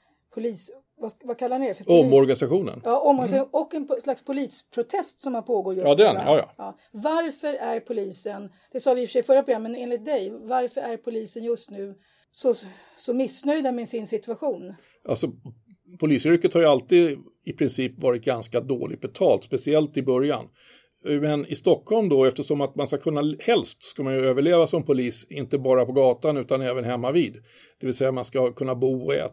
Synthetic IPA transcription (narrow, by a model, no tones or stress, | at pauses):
pʰʊliːs | vavakʰalːaɾnɪɛfəɾɔmmːɔɾɡanɪsaɧuːnə̰njɑːʔɔmːɔɾɪsaɔkːɛnslakspʰʊliːspʰɾʊt̪ʰɛst̪sɔmhapʰoːɡoːɾjɵsd̪ɛɛ̰nːjɑ̰ɑː | vaɾfœɾæɾpʰʊliːsən | d̪̥ɛsɑːvɪɪfœʂɛjfœɾːapʰɾʊɡɾamːəneːnlɪt̪̚d̪ɛjvaɾfœɾæɾpʰʊliːsənjɵst̪nʉ̟ː | sɔ | sɔmɪsnœjd̪amɛsɪnsɪt̪ʉaɧuːn | ʔa̰lsɔ | pʰʊliːsʏɾkət̪haɾjɵalt̪iːd̪ | ɪpʰɾɪnsiːpvɑːɾɪt̪̚ɡanskad̪o̰ːlɪ̰t̪̚bɛt̪ʰɑːlt̪spɛsɪɛlt̪ɪbœɾja̰n | mɛnɪst̪ɔkhɔlmd̪ɔɛft̪əʂɔmat̪manskakʰɵnːahɛlst̪skamanjɵøːvəɭeːvasɔmpʰʊliːsɪnt̪əbɑːɾapɔɡɑːt̪anʉ̟ːt̪anɛːvənɦɛmːaviːd̪ | d̪̥ɛvɪlsɛjːamanskakʰɵnːabuːɔɛ̰ː